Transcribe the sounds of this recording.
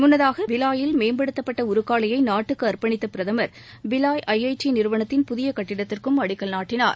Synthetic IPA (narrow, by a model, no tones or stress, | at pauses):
mʊnːɐðaːɣɐʋɪlaːjɪlmeːmbɐɽɯt̪ːɐpːɐʈːɐʊɾɯkːaːɭɐjɐɪnaːʈːɯkːɯɐrpɐɳɪt̪ːɐpɪɾɐðɐmɐɾ | bɪlaːjʔɐjɐɪt͡ʃːinɪɾɯʋɐɳɐt̪ːɪnpʊðɪjɐkɐʈːɪɽɐt̪ːɪrkɯmɐɽɪkːɐɭnaːʈːɪna̰ːɾ